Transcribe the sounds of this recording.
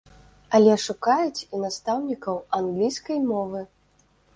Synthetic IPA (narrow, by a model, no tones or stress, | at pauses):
ɐlʲɛʂukajut͡sʲinast̪awnʲikɐwanɡlʲijskɐjmɔvɨ